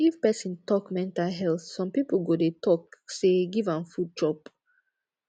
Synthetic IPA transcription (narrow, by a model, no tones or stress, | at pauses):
ifpɛsĩntɔkmɛ̃ntalɦɛlθsɔ̃mpipl̩ɡodetʰɔkseɡivãnfud̚d͡ʒɹɔp